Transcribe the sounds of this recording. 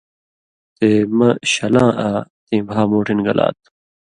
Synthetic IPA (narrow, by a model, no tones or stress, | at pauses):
t̪eːmɐɕɐlãːʔaːt̪ĩːbʱaːmoːʈʰinɡɐla̰ːt̪̚